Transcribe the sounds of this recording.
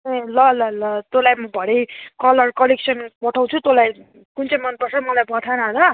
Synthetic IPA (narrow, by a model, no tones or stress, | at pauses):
elʌlʌlʌt̪olajmʌbʱʌɽejkʌlʌrkʌleksʌnpʌʈʰaw̃t͡sʰut̪olaj | kunt͡sʌjmʌnpʌrsʰʌmʌlajpʌt̪ʰanʌɾʌ